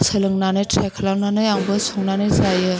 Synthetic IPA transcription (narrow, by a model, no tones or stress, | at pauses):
sʰɯlɯŋnanɯjtʰɾakʰɐlawnanɯjaŋbɯsʰɔŋnanɯjzajɯ